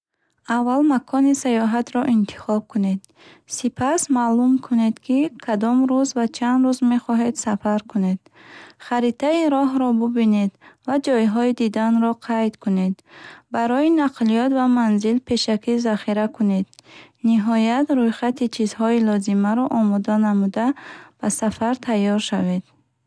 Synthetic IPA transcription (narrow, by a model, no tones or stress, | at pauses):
avːalmakʰɔnisajɔɦat̪ɾɔʔint̪ʰi̥χɔb̚kʰune̞d̪ | sipʰasmalumkʰune̞d̪kʰikʰad̪ɔmɾuzvat͡ʃʰand̪ɾuzme̞χɔɦe̞d̪safaɾkune̞d̪̥ | χaɾit̪ʰaiɾɔɦɾɔbubine̞d̪vad͡ʒɔjɦɔid̪id̪anɾɔqʰajt̪kʰune̞d̪baɾɔinaqʰlijɔt̪vamanzilpʰe̞ʃakizaχiɾakʰune̞d̪niɦɔjat̪ɾujχat̪it͡ʃʰizhɔilɔzimaɾɔʔɔmɔd̪anamud̪ab̥asafaɾt̪ʰajːɔɾʃave̞d̪̥